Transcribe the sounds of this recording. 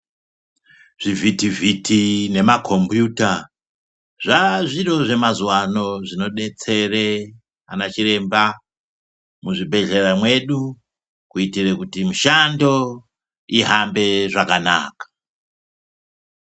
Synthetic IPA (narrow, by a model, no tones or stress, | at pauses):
ʐ̥ivitivitʰine̞makʰo̞mbjuta | ʐaʐiɾo̞ʐe̞mazuwano̞ʐino̞ɗe̞t͡se̞re | anat͡ʃire̞mba | muʐibʱe̞ɮe̞ramwe̞ɗu | kuitirekutimuʃando̞ | iɦambe̞ʐakana̰ːkḁ